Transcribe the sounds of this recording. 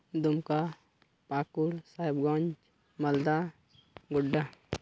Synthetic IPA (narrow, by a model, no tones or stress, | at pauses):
d̪ʊmka | paːkuɾsaːɪbɡɔ̃nd͡ʒ | mɐld̪a | ɡʊɖːa